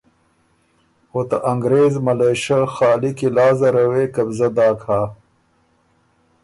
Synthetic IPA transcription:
hot̪ɐʔɐŋɡɾeːzmɐleːɕɐxaːlikilaːzɐɾɐweːkɐbzɐd̪aːkʰaː

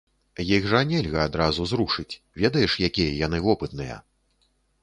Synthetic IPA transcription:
jiɣʐɐnʲɛlʲɣɐad̪ɾazuzɾuʂɨt͡sʲ | vʲɛd̪ɐjɛʂjakʲijɐjan̪ɨvɔpɨt̪nɨjɐ̰

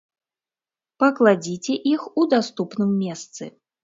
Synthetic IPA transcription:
pɐklˠad͡zʲit͡sʲɛʔixud̪ast̪upnɨmːʲɛst̪sɨ̰

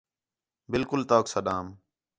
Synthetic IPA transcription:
bɪlkʊlt̪oːksəɗaːm

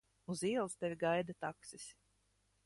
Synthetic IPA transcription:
uziɛlˠst̪ɛvʲiɡajd̪at̪aksisʲ

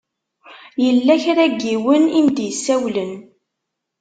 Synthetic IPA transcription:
jəlːæçɾæɡːiwənind̪jəsːæwlən

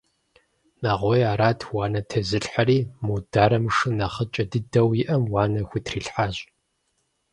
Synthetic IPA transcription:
naːʁʷojaːɾaːtʰwɑːnɐtʰɐzɨɬħaɾiːmudaːɾɐmʂɨnɐχət͡ʃʼɐdɨdɐwjɪʔɐmwɑːnɐxʷitʰriːɬħaːɕʼ

